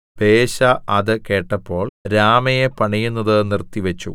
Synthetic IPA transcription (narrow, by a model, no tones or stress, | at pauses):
b̥e̞ːɕɐʔɐðɨke̞ːʈːɐpːo̞ːɭɾaːmɐjepɐɳijunːɐðɨnirt̪ːiʋɐt͡ɕːṵ